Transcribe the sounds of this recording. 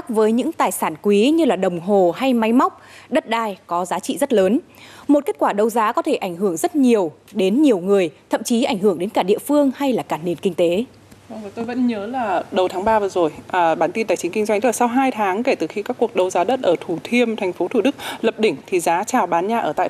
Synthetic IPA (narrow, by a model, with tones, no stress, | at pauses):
k̚vəː˨˦jɲɨ̰˧˥ŋt̪aː˨˩jsaː˧˩nkwi˨˦ɲɨ˧laː˨˩ɗə˨˩wŋ͡mɦo˨˩ha˧jma˨˦jma˦˥wk͡p̚ɗə˦˥t̚ɗaː˧˩jkɔ˨˦zaː˨˦t͡ɕḭ˧˨zə˦˥t̚ləː˨˦n | mo˨˩t̚ke˦˥t̚kwaː˧˩ɗə˧wzaː˨˦kɔ˨˦t̪ʰe˧˩ʔa˧˩jŋ̟hɨ˧˩əŋzə˦˥t̚ɲi˨˩əw | ɗe˨˦nɲi˨˩əwŋɨ˨˩əjt̪ʰə̰˧˨mt͡ɕi˨˦ʔa˧˩jŋ̟ɦɨ˧˩əŋɗe˨˦nkaː˧˩ɗḭ˧˨əfɨ˧əŋha˧jlaː˨˩kaː˧˩ne˧˩nkï˧ŋ̟t̪e˨˦˧ | vəː˨˩jt̪o˧jvə̰˧˥nɲəː˨˦laː˨˩ɗə˨˩wt̪ʰaː˨˦ŋɓaː˧vɨː˨˩˦zo˨˩jʔɓaː˧˩nt̪i˧nt̪aː˨˩jt͡ɕï˨˦ŋ̟ki˧ŋ̟zwa˧jŋ̟t̪la˨˩sa˧wɦaː˧jt̪ʰaː˨˦ŋke˧˩t̪ɨː˨˩xi˧kaː˦˥kːu˨˩ək̚ɗə˧wzaː˨˦ɗə˦˥t̚ʔəː˧˩t̪ʰu˧˩t̪ʰi˧əmt̪ʰɛ˨˩jŋ̟fo˨˦t̪ʰu˧˩ɗɨ˦˥k̚lə˨˩p̚ɗï˧˩ŋ̟t̪ʰi˨˩zaː˨˦t͡ɕaː˨˩wɓaː˨˦nɲaː˧ʔəː˧˩t̪a̰˧˨